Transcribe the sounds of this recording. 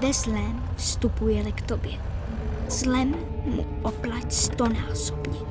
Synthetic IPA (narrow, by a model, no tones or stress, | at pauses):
vɛzlɛmfst̪upujɛlɪkt̪objɛ | z̥lɛmː | ṵʔoplacst̪onaːso̥bɲɛ